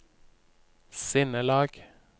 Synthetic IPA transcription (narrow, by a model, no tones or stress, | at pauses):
sɪnəlɑːɡ̥